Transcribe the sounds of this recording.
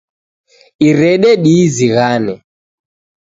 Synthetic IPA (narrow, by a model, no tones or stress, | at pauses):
iɾɛɗɛɗiziɣanɛ